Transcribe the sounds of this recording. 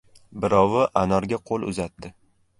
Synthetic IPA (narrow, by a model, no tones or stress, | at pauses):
bɪɾɒwɪʔanɒɾɡʲaqʰolˠʊ̰zat̪ːɪ